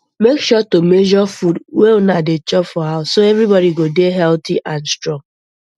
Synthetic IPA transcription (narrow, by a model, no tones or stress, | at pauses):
mekʃɔtomed͡ʒɔfudweonadet͡ʃɔpfɔaʊsoɛvɾibɔɾiɡodeɦɛltiʔãnstɹɔ̃ŋ